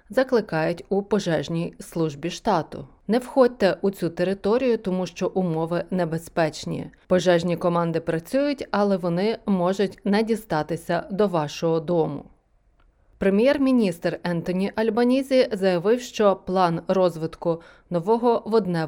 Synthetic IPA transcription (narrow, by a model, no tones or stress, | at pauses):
zɐklˠɪkɑjʊtʲʊpɔʒɛʒnʲijslˠuʒbʲiʃt̪ɑt̪ʊ̰ | nɛwxɔd̚ʲt̪ːɛʔʊt͡sʲut̪eɾɪt̪ɔɾʲijʊt̪ɔmuʃt͡ʃɔʔʊmɔʋɪnebespɛt͡ʃnʲḭpɔʒɛʒnʲikɔmɑnd̪ɪpɾɐt͡sʲujʊtʲɐlˠɛʋɔnɪmɔʒʊtʲnɛdʲist̪ɑt̪ɪsʲɐd̪ɔʋɑʃɔɦɔd̪ɔmʊ̰ | pɾemʲjɛrmʲinʲist̪rɛnt̪ɔnʲiʔɐlʲbɐnʲizʲizɐjɐʋɪwʃt͡ʃɔplˠɑnrɔzʋɪt̪kʊ | nɔʋɔɦɔʋɔd̪nɛ